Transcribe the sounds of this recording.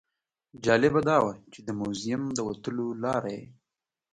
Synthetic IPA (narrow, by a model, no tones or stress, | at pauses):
d͡ʒɑlɪbad̪ɑwat͡ʃed̪əmuzɪmd̪əwat̪əlolɑɾajḛ